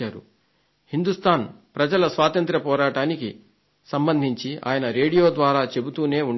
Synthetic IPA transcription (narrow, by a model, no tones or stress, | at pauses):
aːɾṵ | hind̪ust̪ʰaːnpɾɐd͡ʒɐlɐsʋaːt̪ɐnt̪ɾɐpɔːɾaːʈaːniki | sɐmbɐnd̪ʱiɲt͡ʃia̰ːjɐnɐɾe̞ːɽijo̞ːd̪ʋaːɾaːt͡ʃe̞but̪uːne̞ːuɳ